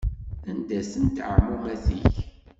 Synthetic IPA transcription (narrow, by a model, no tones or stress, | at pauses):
ænd̪æsənt̪ʕmumæθiç